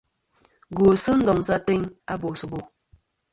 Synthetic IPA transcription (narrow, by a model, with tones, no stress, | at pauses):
ɡo˨sɨ˦n̩˦dɔ˨ŋ˨sa˦te˦ŋa˦bo˨sɨ˨bo˨